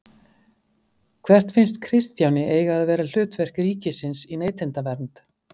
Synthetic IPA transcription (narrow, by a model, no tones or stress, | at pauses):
kʰvɛr̥t̪fɪnst̪kʰɾɪst̪jawnɪʔeːjɣaːðvɛːɾal̥ʏːt̪vɛr̥kriːcɪsɪnsineːjt̪ʰɪnt̪avɛɾnt̪